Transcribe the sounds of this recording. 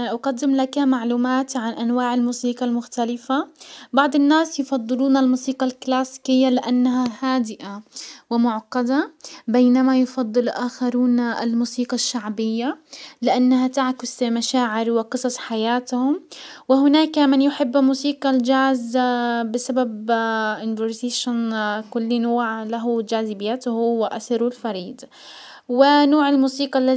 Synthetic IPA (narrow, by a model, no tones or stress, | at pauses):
ʔaqɑd̪ːɪmlakamaʕluːmaːt̪ʕanʔanwaːʕɪlmuːsiːqɑlmʊxt̪alɪfabɑʕd̪ˤɪnːaːsjʊfɑd̪ˤːɨluːnalmuːsiːqɑlklaːsi̥kɪjːalɪʔanːaɦahaːd̪ɪʔawɪmʊʕqɑd̪abeːnamajʊfɑd̪ˤːɨlʔaːxaɾuːna̰lmuːsiːqɑʃːaʕbɪjːalɪʔanːaɦat̪aʕkʊzmaʃaːʕɪɾwɪqɨsˤɑsˤħajaːt̪hʊmwɪhʊnaːkmɪnjʊħɪbːmuːsiːqɑld͡ʒaːzbɪsababʔɪnvʊɾt̪eːʃankʊlːnoːʕlaɦʊd͡ʒaːzɪbɪjat̪hʊwɪʔasɪɾulfɑɾiːd̪ | wɪnoːʕalmuːsiːqɑlːa